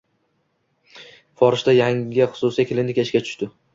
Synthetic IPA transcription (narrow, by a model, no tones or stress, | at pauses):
fɒɾɪʃt̪ajaŋʲɪχʊ̥sʊsjakʲʰɪlɪnd̪ɪkʲeʃkʲat͡ʃʰʊ̥ʃt̪ɪ